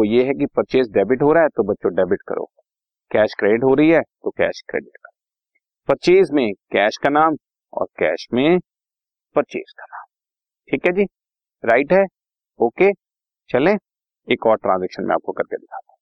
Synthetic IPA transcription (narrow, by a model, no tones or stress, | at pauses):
ojeɦɛkipɐtːt͡ʃeːs̬ɖɛːbɪʈɦoːɾaːɦɛt̪obɐtːʃõɖɛːbɪʈkɐ̰ɾo̰ː | kɛːʃkɾeːɖɪʈɦoɾɐɦiɦɛːt̪okɛ̰ːʃkɾḛːɖɪʈkɐɾoː | pɐtːt͡ʃiːs̬mẽkɛːʃkanaːm | ɔ̰ːɾkɛ̰ːʃmẽ | pɐtːt͡ʃḭːskḁnaːm | ʈʰiːkɦɛd͡ʒiː | ɾaːɪʈɦɛː | oːkeː | t͡ʃɐlẽː | eːkɔːɾʈɾãːnzɛːkʃənmḛ̃a̰ːp̚kokɐɾked̪ɪkʰaːd̪ãː